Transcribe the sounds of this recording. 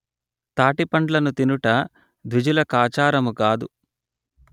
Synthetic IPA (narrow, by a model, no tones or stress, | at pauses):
t̪aːʈipɐɳɖlɐnut̪inuʈɐ | d̪ʋid͡ʒulɐkaːt͡ʃaːɾɐmukaːd̪u